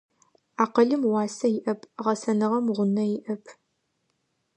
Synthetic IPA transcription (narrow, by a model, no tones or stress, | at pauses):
aːqɐɮɨmwɑːsɐjɪʔɐpʰʁɐsɐnɨʁɐmʁʷʊnɐjɪʔɐpʰ